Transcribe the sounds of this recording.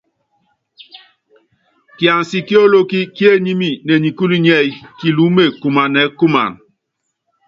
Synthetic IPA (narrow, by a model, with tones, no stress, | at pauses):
kja˨nsi˨ki˦o˦lo˦ki˦kje˦ɲi˦mi˦˨nɛ˨ɲi˨ku˦li˦ɲɛ˦˨jki˨lu˨˦me˨ku˨ma˨nɛ˨˦ku˦ma̰˨n